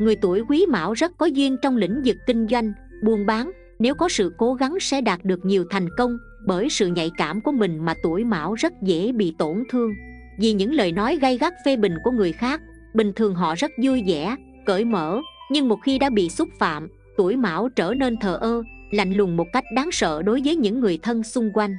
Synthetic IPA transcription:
ŋɨ˨˩əjt̪u˧˩əjkwi˨˦ma̰ː˧˥wzə˦˥t̚kɔ˨˦zwi˧ənt͡ɕɔ˧wŋ͡mlḭ̈˧˥ŋ̟zɨ˨˩kkːï˧ŋ̟zwa˧jŋ̟ | ɓu˧˩ənɓaː˨˦ŋ | ne˨˦wkɔ˨˦sɨ̰˧˨ko˨˦ɣa˨˦ŋsɛ̰˧˥ɗaː˨˩t̚ɗɨ˨˩ək̚ɲi˨˩əwt̪ʰa˨˩jŋ̟kə˧wŋ͡m | ɓəː˧˩jsɨ̰˧˨ɲa̰˧˨jkaː˧˩mku˧˩əmï˨˩ŋ̟maː˨˩t̪u˧˩əjma̰ː˧˥˩wzə˦˥t̚zḛ˧˥ɓḭ˧˨t̪o˧˩nt̪ʰɨ˧əŋ | vi˨˩ɲɨ̰˧˥ŋləː˨˩jnɔ˨˦jɣa˧jɣa˦˥k̚fe˧ɓï˨˩ŋ̟ku˧˩əŋɨ˨˩əjxaː˦˥k̚ | ɓï˨˩ŋ̟t̪ʰɨ˨˩əŋɦɔ̰˧˨zə˦˥t̚zu˧əjzɛ̰˧˩˥ | kə̰ː˧˩jmə̰ː˧˥ɲɨ˧ŋmo˨˩t̚xi˧ɗa̰ː˧˥ɓḭ˧˨sʊ˦˥t̚fa̰ː˧˨m | t̪u˧˩əjma̰ː˧˩wt͡ɕəː˧˩ne˧nt̪ʰəː˨˩ʔəː˧ | la̰˧˨jŋ̟lʊ˨˩ŋmo˨˩t̚ka˦˥jk̟̚ɗaː˨˦ŋsə̰ː˧˨ɗo˨˦jvəː˨˦jɲɨ̰˧˥ŋːɨ˨˩əjt̪ʰə˧nsʊ˧ŋ͡mkwa˧jŋ̟

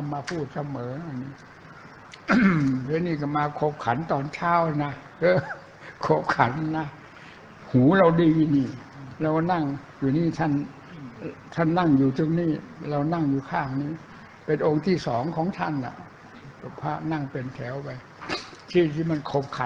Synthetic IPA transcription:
na˧mːaː˧pʰuː˥˩t̪̚sa˧mɤː˩˦ʔa˧nːiː˦˥ | ɛː˧˦˥niː˥˩ka˧˩maː˧kʰo˨˩p̚kʰa˩˦nt̪ɔː˧nt͡ɕʰaː˦˥wna˦˥ | ɤː˧˥˩ | kʰo˧˩p̚kʰa˩˦nːa˦˥ | huː˩˦ɾa˧wdiː˧niː˧˩ɾa˧wna˥˩ŋ | juː˨˩niː˥˩t̪ʰa˥˩n | t̪ʰa˥˩nːa˥˩ŋjuː˨˩t̪ɯ˧ŋniː˥˩ɾa˧wna˥˩ŋjuː˨˩kʰaː˥˩ŋniː˦˥˩ | pe˧nʔo˧ŋt̪ʰiː˥˩sɔː˩˦ŋkʰɔː˨˩˦ŋt̪ʰa˥˩nːa̰˨˩˨ | pʰaː˦˧˩na˥˩ŋpe˧nt̪ʰɛː˩˦wpa˧j | t̪ʰiː˥˩t̪ʰiː˥˩ma˧nkʰo˧˩p̚kʰa˨˦

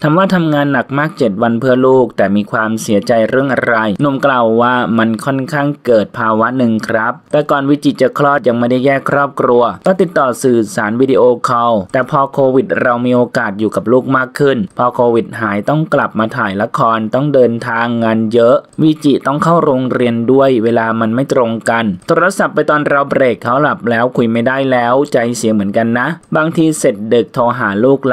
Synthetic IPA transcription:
t̪ʰa˧mwaː˧˥˩t̪ʰa˧mŋaː˧nːa˨˩k̚maː˥˩k̚t͡ɕe˨˩t̪̚wa˧npʰɯ˥˩ɐəluː˥˩k̚t̪ɛː˨˩miː˧kʰwaː˧msi˩˦ɐt͡ɕa˧jɾɯ˥˩əŋʔa˧ɾa˧jnu˨˧˩mklaː˨˩wːaː˥˩ma˧nkʰɔ˥˩nkʰaː˥˩ŋkɤː˨˩t̪̚pʰaː˧wa˦˥nɯ˨ŋkʰɾa˦˥p̚t̪ɛː˨˩kɔː˨˩nwi˦˥t͡ɕi˨˩t͡ɕa˨˩kʰlɔː˥˩t̪̚ja˧ŋma˥˩jda˥˩jɛː˥˩kʰɾɔː˥˩p̚kʰɾu˧ɐk̪ɔː˧˥˩t̪i˨˩t̪ːɔː˨˩sɯː˨˩saː˩˦nwiː˦˥diː˧ʔoː˧kʰɔ˧wt̪ɛː˨˩pʰɔː˧kʰoː˧wi˨˩t̪̚ɾa˧wmiː˧ʔoː˧kaː˨˩t̪̚juː˨˩ka˨˩p̚luː˥˩k̚maː˥˩kʰːɯ˥˩npʰɔː˧kʰoː˧wi˨˩t̪̚ɦaː˩˦jt̪ɔ˥˩ŋkla˨˩p̚maː˧t̪ʰaː˨˩jla˧˥kʰɔː˧nt̪ɔ˥˩ŋdɤː˧nt̪ʰaː˧ŋːa˧njɤ˦˥ʔwi˦˥t͡ɕi˨˩t̪ɔ˥˩ŋkʰa˥˩wɾoː˧ŋɾi˧əndu˥˩əjweː˧laː˧ma˧nma˥˩jt̪ɾo˧ŋka˧nt̪ʰoː˧ɾa˧sa˨˩pːa˧jt̪ɔː˧nɾa˧wbɾeː˨˩kʰːa˦˥wla˨˩p̚lɛː˦˥wkʰu˧jma˥˩jda˥˩jlɛː˦˥wt͡ɕa˧jsi˨˩˦mɯ˩˦ənka˧nːa˦˥ʔbaː˧ŋt̪ʰiː˧se˨˩t̪̚dɯ˨˩k̚t̪ʰoː˧ɦaː˩˦luː˥˩k̚

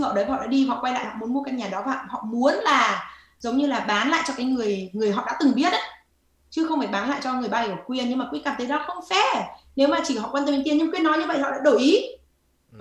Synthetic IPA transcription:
ɔ̰˧˨ɗə˨˦jvaː˨ɔ̰˧˨ɗ̰ːɗi˧a̰˨˧˨kwa˧jla̰ː˧˨jhɔ̰˧˨mu˨˦nmo˧ka˧nɲaː˨˩ɗɔ˨˦vaː˨˩˨hɔ̰˧˨mu˨˦ənlaː˨˩ | zə˨˦wŋ͡mɲɨ˧laː˨˩ɓaː˨˦nla̰ː˧˨jt͡ɕɔ˧kaː˨˦jŋɨ˨˩əjŋɨ˨˩əjɦɔ̰˧˨ɗa̰ː˧˥t̪ɨ˨˩ŋɓi˦˥ət̚ʔa˨˦ | t͡ɕɨ˨˦xə˧wŋ͡mfaː˨˩jɓaː˨˦nla̰ː˧˨jt͡ɕɔ˧ŋɨ˨˩əjɓaː˧jɔ˨˩kwi˧ənɲɨ˧ŋmaː˨˩kṵ˧˥kaː˨˩mt̪ʰə˨˦jɗɔ˨˦xə˧wŋ͡mfɛ˧˩ne˨˦wmaː˨˩t͡ɕi˧˩hɔ̰˧˨kwɛ˧nt̪ːmi˨˧˦ŋt̪i˧nɲɨ˧ŋkwi˧ənːɔ˨˦jɲɨ˧və̰˧˨jhɔ̰˧˨ɗa̰ː˧˥ɗo˧˩ʔi˨˦

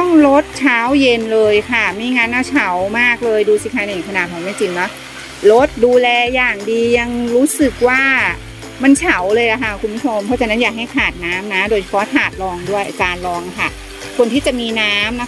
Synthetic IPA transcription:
t̪ɔ˥˩ŋlo˦˥t̪̚t͡ɕʰaː˦˥wje˧nlɤː˧jkʰa˥˩ma˧˩jŋa˦˥nʔa˧˩t͡ɕʰa˩˦wmaː˥˩k̚lɤː˧jduː˧si˨˧˩kʰaː˧˩na˨˩˨kʰa˧naː˨˩t̪̚ʰɔ˨˩˦ma˧˥˩t͡ɕi˧ŋnɔ˦˥ | lo˦˥t̪̚duː˧lɛː˧jaː˨˩ŋdiː˧ja˧ŋɾuː˦˥sɯ˨˩k̚waː˥˩ | ma˧nt͡ɕʰa˩˦wlɤː˧jʔa˨˩kʰa˥˩kʰu˧nmpʰu˦˥t͡ɕʰo˧mpʰɔ˦˥t͡ɕa˧k̚na˦˥njaː˨˩k̚ɦa˥˩jkʰaː˨˩t̪̚naː˦˥mna˦˥doː˧jt͡ɕʰḁ˧pʰɔ˦˥t̪ʰaː˨˩t̪̚lɔː˧ŋdu˥˩əjʔa˧˩kaː˧nlɔː˧ŋʔa˨˩kʰa̰˥˩ | kʰo˧nt̪iː˥˩t͡ɕa˨˩ʔmiː˧naː˦˥mna˦˥

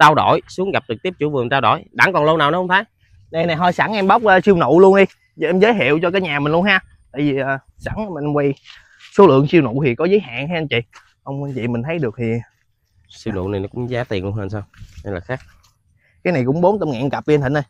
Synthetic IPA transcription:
t͡ɕaː˧wɗo˧˩jsu˨˦əŋɣa˨˩p̚ɗɨ˨˩i˦˥ət͡ɕu˧˦vɨ˨˩əŋt͡ɕaː˧wɗo̰˧˩˦jɗa̰˧˦ŋkɔ˨˩nlo˧naː˨˩wnɔ˨˦hə˧ŋ͡mfaː˨˦j | ɗa˨˩na˨˩jɦɔ˧˩jsa˧˩ŋʔɛ˧mɓa˦˥wk͡p̚ʔəː˨˧si˧wnṵ˧˨lu˧ənɗi˧ | ʔɛ˧mzəː˨˦jɦḭ˧˨əwt͡ɕɔ˧kaː˨˦jɲaː˨˩mï˨˩ŋlu˧ənhaː˧˩ | t̪aː˧˨jvi˨˩ʔəː˨˩ | sa˧˩ŋ˧m˨˩˧mwa˧j | so˨˦lɨ̰˧˨əŋsi˧əwnṵ˧˨t̪ʰi˨˩kɔ˨˦zəː˨˦jɦa̰ː˧˨nha˧ʔa˧nt͡ɕḭ˧˨ | ʔə˧wŋ͡mnt͡ɕḭ˧˨mï˨˩ŋ̟t̪ʰə˨˦jɗɨ˨˩k̚t̪ʰi˨˩ | si˧wnṵ˧˨na˨˩jnɔ˨˦kʊ̰˧˥ŋ͡mzaː˨˦t̪i˨˩nlnhɦəː˧nsaː˧wa˧jlaː˨˩xaː˦˥k̚ | kaː˨˦jna˨˩jkʊ̰˧˥ŋ͡mɓo˨˦nt̪ə˧mŋa̰˧˨nka˨˩p̚i˨˧nt̪i˧˩nɗə˨˩j

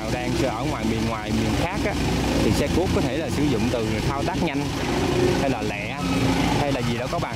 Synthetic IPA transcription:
wzaː˧ŋsɛ˧˩ʔəː˧˩ŋwaː˨˩jmi˨˩ənŋwaː˨˩jmi˨˩ənxaː˦˥k̚ʔaː˨˦˥t̪ʰi˨˩sɛ˧ku˦˥p̚kɔ˨˦t̪ʰe˧˩laː˨˩sɨ˧˩˦zʊ̰˧˨ŋ͡mt̪ɨ˨˩t̪ʰaː˧wt̪aː˦˥k̚ɲa˧jŋ̟ | ha˧jlaː˨˩lɛ̰˧˨ʔha˧jlaː˨˩zi˨˩ɗɔ˨˦kɔ˨˦ɓaː˨˩

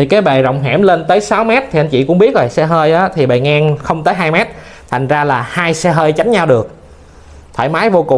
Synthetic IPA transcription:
t̪ʰi˨˩kaː˨˦jɓe˨˩zə̰˧˨wŋ͡mɦɛ˧˩mle˧nt̪əː˨˦jsa˨˦wmɛ˦˥t̚t̪ʰi˨˩ʔa˧jnt͡ɕḭ˧˨kʊ˧˥ŋ͡mɓi˦˥ət̚zo˨˩jsɛ˧ɦəː˧jʔaː˨˦t̪ʰi˨˩ɓe˨˩ŋaː˧ŋxə˧wŋ͡mt̪əː˨˦jɦaː˧jmɛ˦˥t̚ | t̪ʰa˨˩jŋ̟zaː˧laː˨˩haː˧jsɛ˧ɦəː˧jt͡ɕa˨˦jŋ̟ɲa˧wɗɨ˨˩ək̚ | t̪ʰəː˧˩jmaː˨˦jvo˧kʊ˨˩˨

